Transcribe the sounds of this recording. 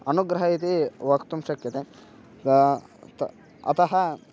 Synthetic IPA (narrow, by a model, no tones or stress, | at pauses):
ɐnuɡɾɐɦɐɦit̪iʋɐkt̪umʃɐkjɐt̪e | ɐ̰t̪ɐɦɐ